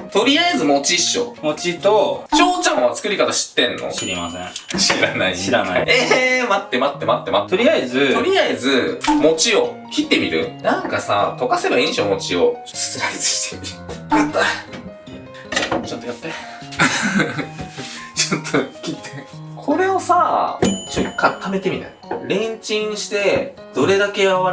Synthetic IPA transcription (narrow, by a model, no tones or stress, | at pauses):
t̪o̞ɾʲiaezɨmo̞t͡ɕiɕːo̰mot͡ɕit̪ot͡ɕoːt͡ɕãmoβat͡sɨ̥kɯ̟ɾʲikat̪aɕi̥t̪ːẽ̞nːʔo̰ɾia̰seɕiɾanaiiɾanaiemat̪ːe̞mat̪ːe̞mat̪ːe̞mat̪ːt̪oɾʲiaizɨo̞ɾʲiaizɨmo̞t͡ɕio̞kʲit̪ːe̞mʲiɾɯ̟̰nãŋkasa̰t̪o̞kase̞baĩɰ̃ɕoːmo̞t͡ɕio̞̰̥ | sɨ̥t͡sɨɾait͡sɨ̥ɕi̥t̪ʰemʲijat̪ːa | ot͡ɕot̪ːojat̪ːe | t͡ɕot̪ʰːokʲit̪ːe | kʰo̞ɾe̞o̞sat͡ɕokːãt̪ʰame̞t̪e̞mʲit̪aiɾẽ̞ɲt͡ɕĩɰ̃ɕi̥t̪e̞ | d̪̥o̞ɾe̞d̪ake̞aβa